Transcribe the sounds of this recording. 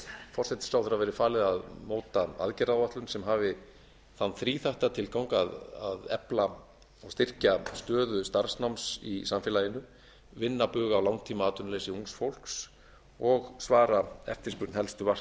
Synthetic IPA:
fɔr̥sɛt̪ɪ̥slawθɾavɛːɾɪfaːlɪðaðmoːwt̪aa̰ðcɛɾaðvaht̪lʏnsɛmɦaːvɪ | θanːθɾiːθaht̪at̪ʰɪlkawŋkaðaðɛpla | ɔwst̪ɪr̥cast̪œːðʏst̪aɾ̥snawmsḭsamfɪlajɪnːʏ | vɪnːapʏːɣaːwlawŋt̪ʰiːmaaːt̪ʏnleːjsɪuŋsfowl̥ks | ɔɣsvaːɾaɛ̰ft̪ɪ̥spʏɾt̪nhɛlst̪ʏvar̥

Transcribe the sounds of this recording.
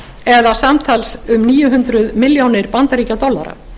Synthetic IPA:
ɛðasamt̪ʰalsʏmniːjʏɦʏnt̪ɾʏðmɪljawnɪɾpant̪aɾiːcat̪ɔlːa̰ɾa̰

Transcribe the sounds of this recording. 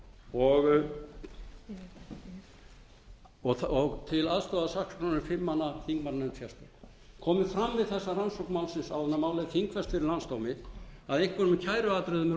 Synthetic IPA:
ɔɣ | ɔɔɣt̪ʰɪlaðst̪ɔːðasakskʰɾanɪfɪmːanːaθiŋkmaɾnɛnsjɛst̪o | kʰɔːmɪfɾamːvɪðθɛsːaransowknmawlsɪnsawðɛnamaːwlɛðθiŋkʰvɛst̪fɪɾɪɾlanst̪owmɪaðejŋ̥kvɛɾʏmcʰaːjɾʏaːt̪ɾɪðʏmɛ

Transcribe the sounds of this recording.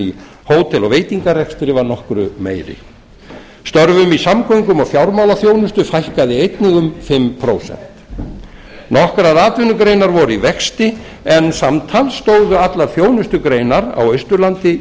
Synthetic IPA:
i | hoːwt̪ʰɛlɔveːjt̪iŋkarɛkst̪ɾɪvaɾnɔhkɾʏ̰meːjɾɪ̰ | st̪œɾvʏmisamkʰɔŋkʏmɔɣfjawɾmawlaθjoːwnʏst̪ʏfajhkaðɪejt̪nɪɣʏmfɪmpʰɾoːwsɛ̰n̥t̪ | nɔhkɾaðaːt̪vɪnʏkɾejnaɾvɔɾʏivɛkst̪ɪ | ɛnsamt̪ʰalst̪oːwðʏat̪lḁθjoːwnʏst̪ʏkɾeːjnaɾa̰wœɥst̪ʏɾlant̪ɪ

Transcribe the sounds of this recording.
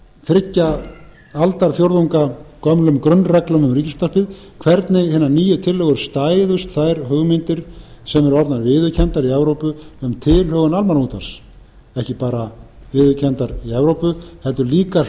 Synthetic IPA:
fɾɪcːa | alt̪aɾ̥fjowɾðuŋkakœmlʏmkɾʏnːrɛklœmʏmriːcɪst̪aspɪð | kʰvɛɾt̪nɪhɪːnːaniːjʏt̪ʰɪlːɛɣʏɾ̥st̪aːjðʏst̪θajɾ̥ɦœɣmɪnt̪ɪɾ̥ | sɛmɛɾɔɾt̪naɾvɪːðʏcʰɛnt̪aɾiɛvɾowpʏʏmt̪ʰɪlhœɣʏnalmaɾmut̪aɾs | ɛhcɪpaːɾa | vɪːðʏcʰɛnt̪aɾiɛvɾowpʏhɛlt̪ʏɾliːka

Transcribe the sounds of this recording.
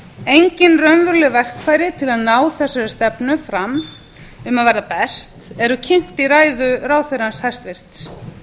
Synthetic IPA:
ejɲcɪnrœnvʏɾlɪvɛr̥kfaːjɾɪt̪ʰɪlaðnaːwθɛsːaɾʏst̪ɛpnʏfɾam | ʏmaðvajɾðapɛst̪ɛɾʏcʰɪn̥t̪iɾaːjðʏɾaːwθeɾanshast̪vɪr̥t̪s

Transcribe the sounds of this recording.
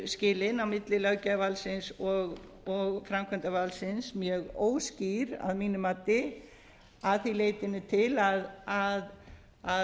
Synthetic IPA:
scɪːlɪnawmɪt̪lɪlœcavalsɪnsɔɣ | ɔɣfɾamkʰœnt̪avalsɪnsmjɛɣoːwsciɾa̰ðmiːnʏmat̪ːɪ | aðθileːjt̪ɪnːɪt̪ʰɪlaðað | a

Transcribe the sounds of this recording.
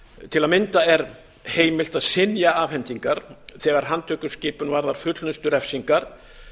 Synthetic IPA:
t̪ʰɪlaðmɪnt̪aɛɾ | heːjmɪl̥t̪aðsɪnjaavhɛnt̪iŋkaɾ̥θɛːɣaɾ̥ɦant̪ʰœːkʏscɪːpʏnvaɾðaɾ̥fʏt̪lʏnst̪ʏɾɛfsiŋkaɾ̥

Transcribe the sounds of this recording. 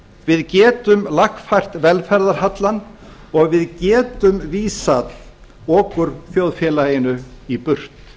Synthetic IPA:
vɪðcɛːt̪ʏmlaxfajr̥t̪vɛlfɛɾðaɾ̥hat̪lan | ɔɣvɪðcɛːt̪ʏmviːsat̪ | ɔːkʏɾ̥θjowðfjɛlajɪnʏipʏr̥t̪

